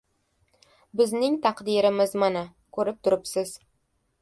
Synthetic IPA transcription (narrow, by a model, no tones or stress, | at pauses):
bɪznɪŋt̪ʰɑqd̪iɾɪmɪzmana | kʰɵɾɪp̚t̪ʰʊɾɪpsɪz